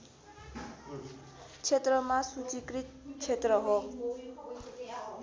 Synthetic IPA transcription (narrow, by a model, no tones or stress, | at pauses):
t͡sʰet̪rʌmasut͡sikɾit̪̚t͡ʃʰet̪rʌɦo